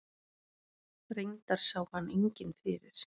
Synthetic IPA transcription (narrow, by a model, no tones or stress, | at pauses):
θɾejɲt̪aɾ̥saːwhanːejɲcɪnfɪːɾɪɾ̥